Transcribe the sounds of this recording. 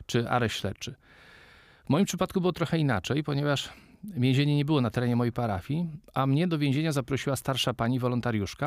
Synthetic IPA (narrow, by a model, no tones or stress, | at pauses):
t͡ʂɘa̰ɾɛɕlɛ̰t͡ʂɘ | vmɔjimpʂɘpat̪̚kubɘwɔt̪ɾɔxɛina̰t͡ʂɛjpɔɲɛvaʂvʲjẽʑeɲɛɲɛbɘwɔnat̪ɛɾɛɲɛmɔjejpaɾafʲiʔamɲɛd̪ɔvʲjɛ̃ʑeɲazapɾɔɕiwast̪aɾʂapaɲivɔlɔnt̪aɾʲjuʂka